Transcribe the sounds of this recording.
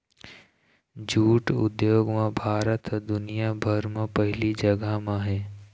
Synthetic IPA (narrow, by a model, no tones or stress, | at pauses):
d͡ʒuːʈʊ̰d̪joːɡmãbʱaːɾət̪ɦd̪ʊnijabʱəɾmãpɛɦɪlid͡ʒɐɡəmãɦɛː